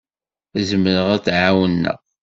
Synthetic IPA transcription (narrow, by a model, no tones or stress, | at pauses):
æzəməɾəʁæt͡sːʕawənːə̰ʁ